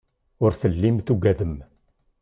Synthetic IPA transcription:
ʊɾθəlːimθuɡæðəm

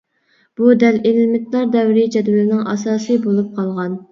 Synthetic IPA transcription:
b̥ud̪ɛlelmɪt̪lˠɑɾd̪ɛwɾɪd͡ʒɛd̪wɛlɪnɪŋʔɑ̰sɑːsɨbolˠup̚qʰɑlˠʁɑn

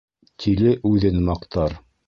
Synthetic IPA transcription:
t̪ʰilɘʔʉðɘnmɑqt̪ʰɑɾ

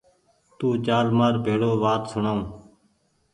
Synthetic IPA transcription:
t̪uːt͡ʃaːlmaːɾbʱeːɽoːʋaːt̪sʊɳaːũː

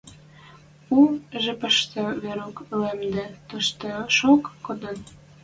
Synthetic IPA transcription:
uʒepəʃt̪əβeɾoklemd̪ĕt̪əʃt̪oʃokːod̪ən

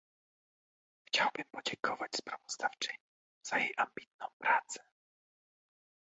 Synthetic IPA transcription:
xt͡ɕawbɨmpɔd͡ʑɛŋkʰɔvat͡ɕspɾavɔzd̪aft͡ʂɘɲi | z̥ajejʔambʲit̪̚nɔ̃w̃pɾat̪sɛ̥

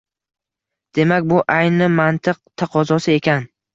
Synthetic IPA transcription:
d̪̥e̞makʲbʊʔajnɪmant̪ʰɨq̚t̪ʰaqʰɒzɒsɪe̞kʲan

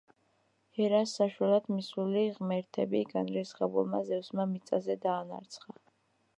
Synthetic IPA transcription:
hɛɾasːaʃwalˠad̪misuliʁmɛɾt̪ʰɛbiɡanɾɛsχɛbṵlˠmazɛvsmamit̪sʼazɛd̪aːna̰ɾt̪sʰχa

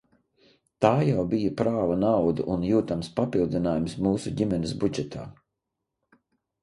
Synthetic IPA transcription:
t̪aːjawbijapɾaːvanawd̪uʔunjuːt̪amspapilˠd̪inaːjumsmuːsuɟʲimʲɛnɪsbud͡ʒɛt̪ʰa̰ː

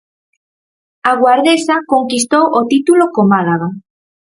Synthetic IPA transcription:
aɣwaɾðesakoŋkist̪owʔot̪it̪ulokomalaɣa

